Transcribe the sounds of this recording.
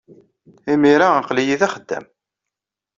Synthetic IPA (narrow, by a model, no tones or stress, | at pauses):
imiɾaqlijiðæχəd̪ːæ̰m